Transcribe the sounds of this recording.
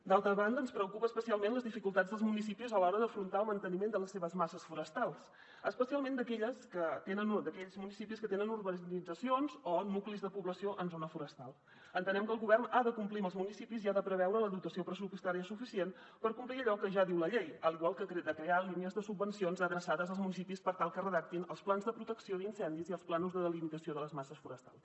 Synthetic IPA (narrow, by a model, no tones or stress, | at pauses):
d̪alˠt̪ɾəβand̪əːnspɾəukupəːspəsialˠmenləzðifikulˠt̪ad͡zðəlˠzmunis̬ipizəlɔɾəðəfɾunt̪aəlˠmənt̪ənimend̪ələsːeβəzmasəsfuɾəst̪alˠs | əspəsialˠmẽnd̪əkɛʎəskət̪enənd̪əkɛʎzmunisipiskət̪enənuɾβənid͡zəsionzonuklizðəpuβləsioʔənzonəfuɾəst̪alˠ | ənt̪ənɛmkəlˠɣuβɛrnaðəkumpliməlˠzmunisipiziaðəpɾəβ̞ɛwɾələðut̪əsiopɾəsupəst̪aɾiəsufisien | pəɾkumpliəʎɔkəʒaðiwləʎejəliɣwalˠkəkɾed̪əkɾealiniəzðəsubːənsionzəðɾəsaðəzəlˠzmunis̬ipispəɾt̪alˠkərəðak̚t̪inəlˠsplanzðəpɾut̪əksioðinsɛnd̪iziəlˠsplanuzðəðəlimit̪əsioðələzmasəsfuɾəst̪a̰lˠs